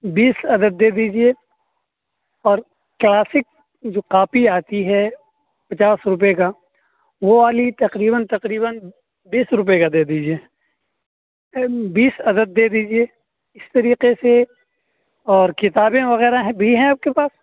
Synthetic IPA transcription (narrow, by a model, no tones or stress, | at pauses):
biːsɐd̪əd̪̚ːeːd̪iːd͡ʒie | ɔːɾ | klaːsɪk̚ | d͡ʒoːqaːpiaːt̪iɦɛ | pɐt͡ʃaːsɾʊp̬eka | ʋoʋaːlit̪ɐqɾiːbənt̪ɐqɾiːbən | biːsɾʊp̬ekad̪eːd̪iːd͡ʒieː | biːsɐd̪əd̪̚ːeːd̪iːd͡ʒie | ɪst̪ɐɾiːqese | ɔːɾkɪt̪aːbẽʋɐɣɛːɾaɦɛ̃bʱiɦɛ̃aːp̚kepaːs